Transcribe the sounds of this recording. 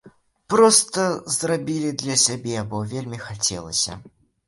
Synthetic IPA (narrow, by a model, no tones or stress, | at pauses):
pɾɔst̪əzrabʲilʲid̪lʲɐsʲabʲɛbɔvʲelʲmʲixat͡sʲɛ̰lˠə̰sʲɐ̰